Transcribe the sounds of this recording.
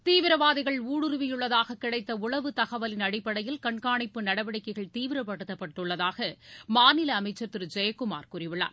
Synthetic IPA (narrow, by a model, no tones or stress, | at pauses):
t̪iːʋɪɾɐʋaːðɪɣɐɭuːɽɯɾɯʋɪjɯɭːɐðaːɣɐkːɪɽɐɪt̪ːɐʊɭɐʋɯt̪ɐɣɐʋɐlɪnɐɽɪpːɐɽɐjɪlkɐɳkaːɳɪpːɯnɐɽɐʋɐɽɪkːɐɪɣɐɭt̪iːʋɪɾɐpːɐɽɯt̪ːɐpːɐʈːrɯɭːɐðaːɣɐmaːnɪlɐːmɐɪt͡ʃːɐɾt̪ːɪɾd͡ʒɐjɐkːɯma̰ːɾkʊrɪʋɪɭa̰ːɾ